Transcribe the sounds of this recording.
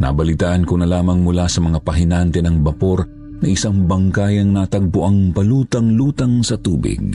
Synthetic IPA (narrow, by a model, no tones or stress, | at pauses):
nɐ̰bɐlɪt̪aːʔɐnkonɐlaːmɐŋmʊlasɐmɐŋapɐɦɪnant̪ɛnɐŋbɐpoɾ | nɐʔɪsaŋbɐŋkajɐŋnat̪ɐɡ̚pʊʔɐŋpɐluːt̪ɐŋluːt̪ɐŋsɐt̪uːbɪ̰ɡ̚